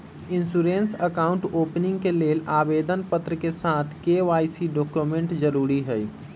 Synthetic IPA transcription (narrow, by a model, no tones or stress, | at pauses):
ɪnsuɾensəkaʊɳʈoːpnɪ̃ŋɡkeleːlaːbed̪ʱənpət̪ɾəkesat̪ʰkeʋaːisiɖoːkjumẽɳʈd͡ʒəɾuːɾiɦəj